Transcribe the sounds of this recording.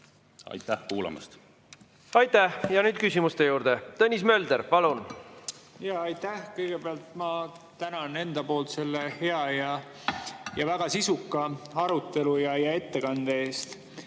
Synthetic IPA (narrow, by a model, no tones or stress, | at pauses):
ɑ̰jt̪ːˑæhkuːlɑ̰mɑ̰st̪ | ɑjt̪ːæhjɑnyːd̪̥̚kysʲimust̪e̞juːɾd̪̥e̞t̪ɤnʲːismø̞ld̪eɾpɑlun | jɑɑjt̪ːæhkɤjɡ̥e̞beɑlt̪mɑ | t̪ænɑne̞nd̪̥ɑpo̞ːlt̪se̞lːehe̞ɑjɑ | jɑvæɡ̥ɑsisukːˑɑɑɾut̪ːe̞lujɑjɑe̞t̪ːe̞kɑnd̪̥ee̞ːst̪